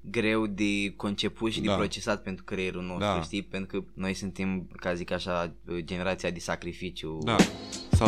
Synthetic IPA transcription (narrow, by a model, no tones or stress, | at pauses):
ɡɾe̞wd̪eko̞nt͡ʃe̞put̪ʃid̪epɾo̞t͡ʃe̞sat̪̚pent̪ɾukɾejeɾuno̞st̪ɾuʃt̪ijpent̪ɾukəno̞jsunt̪emkasəzikaʃad͡ʒe̞ne̞ɾat̪siad̪esakɾifit͡ʃjud̪asa